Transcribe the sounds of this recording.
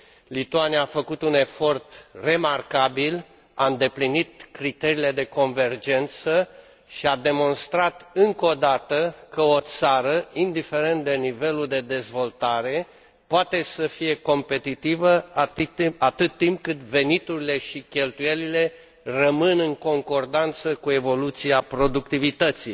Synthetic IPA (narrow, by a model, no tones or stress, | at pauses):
lit̪uaniaːfəkut̪une̞fo̞rt̪re̞markabil | aɨnd̪e̞plinit̪̚kɾit̪e̞ɾiːle̞d̪e̞ko̞nve̞rd͡ʒe̞nt̪sə | ʃiad̪e̞mo̞nst̪ɾat̪ɨŋko̞d̪at̪əkəo̞t̪saɾəind̪ife̞ɾe̞nt̪̚d̪e̞nive̞luld̪e̞d̪e̞zvo̞lt̪aɾe̞ | poat̪e̞səfije̞ko̞mpe̞t̪it̪ivə | at̪ɨt̪ːimp̚kɨt̪ve̞nit̪uɾile̞ʃikʲe̞lt̪uje̞lile̞ | rəmɨnɨŋko̞ŋko̞rd̪ant̪səkue̞vo̞lut̪siapɾo̞d̪ukt̪ivit̪ət̪si